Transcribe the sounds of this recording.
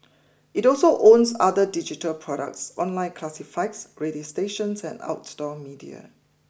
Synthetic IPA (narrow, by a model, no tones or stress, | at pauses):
ʔitɔlsoʔõnsadədid͡ʒitəlpʰɹɔɾə̰k̚tsɔ̃nlãɪ̃nkʰlasifaɪksɹediosteʃə̃nsɛ̰̃na̰ʊtsdɔmidia̰